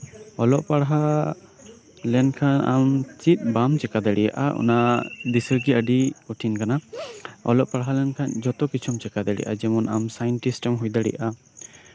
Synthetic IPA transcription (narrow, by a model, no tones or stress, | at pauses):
ɔlɔʔpaɽɦa | lɛnkʰana̰mt͡ʃit̪̚bamt͡ʃɛkad̪aɽijaʔa̰ʔṵnad̪isəɾɡiəɖiuʈʰinkanaɔ̰lɔʔpaɽɦalɛnkʰand͡ʒɔt̪ɔkit͡ʃʰɔmt͡ʃɛkad̪aɽḭʔad͡ʒɛmɔnamsajɔnʈisʈɔmɦujd̪aɽḭʔa